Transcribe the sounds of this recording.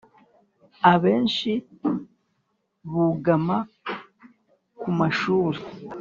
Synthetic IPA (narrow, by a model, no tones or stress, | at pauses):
aβe̞ːnʃi | βuɡama | kumaʃuːɾi